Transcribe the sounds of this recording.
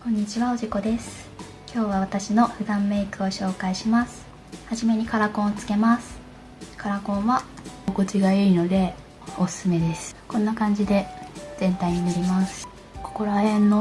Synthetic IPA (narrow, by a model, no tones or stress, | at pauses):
kõ̞ɲ̟ːit͡ɕiβao̞ʑiko̞d̪e̞sɨ̥ | kʲo̞ːβaβat̪aɕino̞ɸɯ̟d̪ãmːe̞ikɯ̟o̞ɕo̞ːkaiɕimasɨ̥ | haʑime̞ɲ̟ikaɾakõ̞ɰ̃ot͡sɨ̥ke̞masɨ̥ | kaɾakõ̞ɰ̃βaokot͡ɕiɡaiino̞d̪e̞ | osɨ̥sɨme̞d̪e̞sɨ̥kõ̞nːakãɲ̟d͡ʑid̪e̞z̥ẽ̞nt̪aiɲ̟inoɾʲimasɨ̥ | ko̥ko̞ɾahẽ̞nːo̞